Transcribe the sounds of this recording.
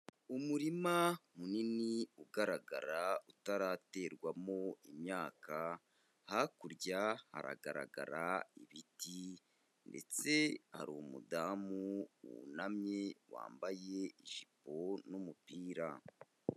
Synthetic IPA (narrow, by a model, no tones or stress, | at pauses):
umuɾimamuniniuɡaɾaɡaɾautaɾate̞ːɾɡwamo̞imɲaːka | hakuɾɟaha̰ɾa̰ɡa̰ɾa̰ɡa̰ɾaiβiti | nde̞̰t͡se̞ha̰ɾuomṵdaːmuṵnamɲe̞wa̰ːmbaje̞iʒipo̞numupiːɾa